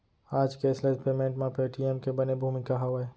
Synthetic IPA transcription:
aːd͡ʒkesləspeːmẽːɳʈmãpeːʈiemkebɐnebʱuːmikaɦɐwae

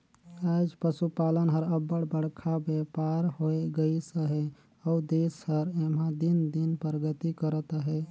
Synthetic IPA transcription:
ad͡ʒpəsupalənɦəɾəbəɽbəɽ̤kʰabepaɾhoeɡəisəɦe | əud̪eshəɾemãd̪ind̪inpəɾɡət̪ikəɾət̪əɦe

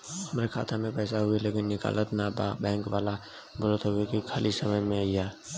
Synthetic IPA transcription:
ɦəmɾekʰa̰ːt̪ʰamẽpɛːsaɦʊeleːkɪnːɪka̰ːlət̪nababɛ̃ːŋkʋaːla | bolət̪ɦʊekikʰaːlisəməjmẽajaː

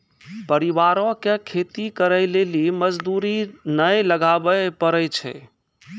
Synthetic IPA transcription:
pəɾiβaɾõkekʰet̪ikəɾəɪleliməd͡ʒd̪uɾinəjləɡabəpəɾəjt͡ʃʰɛ̰

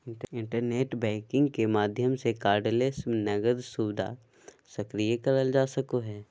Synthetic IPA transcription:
ɪɪ̃ɳʈəɾneːʈbɛ̃ːkɪ̃ŋɡkemaːd̪ʱjəmsekaːɾɖleːsnɐɡəd̪suːbɪd̪ʱa̰ | sɐkɾijekɐɾəld͡ʒaːsəkoɦɛː

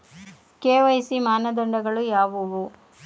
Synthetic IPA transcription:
keːʋɐjsimaːnɐd̪ɐɳɖɐɡɐɭujaːʋuʋu

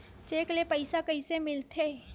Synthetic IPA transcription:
t͡ʃeːklepəɪsakɐisemɪlt̪ʰeː

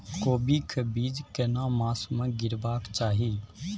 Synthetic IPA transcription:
koːbiːkʰəbiːd͡ʒkənãːmaːsmə̃ːɡɪɾbaːkt͡ʃaːɦiː

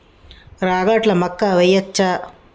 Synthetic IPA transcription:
ɾaːɣaːʈlɐmɐkːaːʋɐjɐt͡ʃːaː

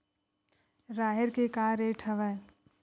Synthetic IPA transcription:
ɾaːɦeɾkekaːɾeʈʰəʋɛ

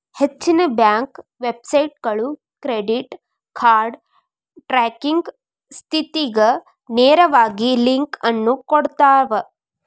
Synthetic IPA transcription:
het͡ʃːinɐbjaːŋkʋebsɐjʈ̚ɡɐɭu | kɾeɖiʈ | kʰaːɾɖ | ʈɾaːkiŋɡ | st̪ʰit̪iɡɐ | neːɾɐʋaːɡiliŋkɐnːukoɽt̪aːʋɐ

